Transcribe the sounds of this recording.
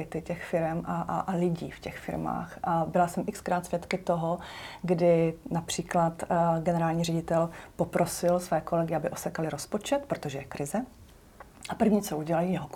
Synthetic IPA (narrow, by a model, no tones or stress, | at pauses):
ɪt̪ɪcɛxfɪɾɛmʔaʔʔlɪɟḭːfcɛxfɪ̰ɾma̰ːxʔabɪlasɛmʔɪkskɾaːt̪svjɛt̪kɪt̪oɦoɡdɪnapr̝̥iːklat̪ɡɛnɛɾaːlɲiːrɛɟɪt̪ɛlpopɾo̞sɪlsvɛːko̞lɛɡɪabɪʔosɛkalɪɾospo̞t͡ʃɛt̪pɾot̪oʒɛjɛkɾɪzɛ | ʔapr̩vɲiːt͡soʔuɟɛlajiːjɛɦok